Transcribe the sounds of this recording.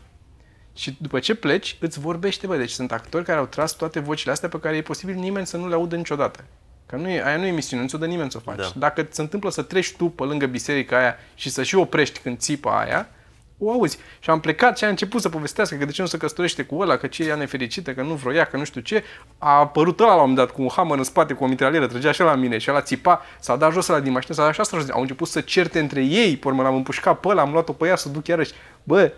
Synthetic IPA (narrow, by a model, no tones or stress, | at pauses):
ʃid̪upət͡ʃe̞ple̞t͡ʃʲɨt̪sʲvo̞rbe̞ʃt̪e̞bəd̪e̞t͡ʃʲsunt̪akt̪o̞ɾrʲkaɾeawt̪ɾast̪wat̪evo̞t͡ʃileast̪ejapekaɾe̞jepo̞sibilnime̞nʲsənuleaud̪ənit͡ʃo̞d̪at̪ə̥ | kənujeʔajanuje̞misiunenusʲod̪ənimenʲso̞fa̰t͡ʃd̪akət̪seɨnt̪ɨmpləsət̪ɾe̞ʃt̪upəlɨŋɡəbise̞ɾikaajaʃisəʃio̞pɾe̞ʃt̪ʲkɨnd̪̚sipa̰a̰ja̰ | oauzʲʃiample̞kat̪ʃiaɨnt͡ʃe̞put̪səpo̞ve̞st̪easkəkəd̪e̞t͡ʃe̞nusəkəst̪oɾe̞ʃt̪e̞kuəlakət͡ʃeejane̞fe̞ɾit͡ʃit̪əkənuvɾo̞jakənuʃt̪ʲut͡ʃe̞ | apəɾut̪əlalawomend̪at̪kuːnhaməɾɨnspat̪e̞kuomit̪ɾaljeɾət̪ɾəd͡ʒeaʃalamine̞ʃiəlat̪sipa | sad̪aʒoselad̪inmaʃinəsad̪aʃiast̪aʒosʔa̰wɨnt͡ʃe̞put̪sət͡ʃe̞rt̪eɨnt̪ɾe̞jejpoɾməlamɨmpuʃkat̪̚pəlaːmlwat̪o̞pəjasəd̪ukjaɾəʃʲ | bə